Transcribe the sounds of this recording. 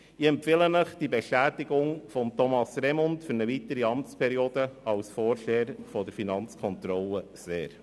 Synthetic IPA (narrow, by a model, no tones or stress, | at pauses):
iɛmpfɪlənəχd̥ibeʃtæːt̪ɪɡʊŋfɔmt̪ɔmɑsɾɛmɔntfɵɾnəʋit̪əɾiɑmt͡spʰɛɾioːd̥əɑwsfɔːɾʃeːɾfɔd̪əɾfinɑnt͡skʰɔnt̪ɾɔlːəseːɾ